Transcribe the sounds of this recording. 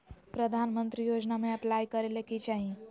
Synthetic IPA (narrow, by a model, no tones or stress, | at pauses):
pɾəd̪ʱanmənt̪ɾijod͡ʒnameɐplajkəɾelekit͡ʃaɦĩ